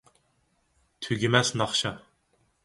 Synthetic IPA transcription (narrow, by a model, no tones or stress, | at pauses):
t̪ʰyɡʲimɛsnɑχʃɑ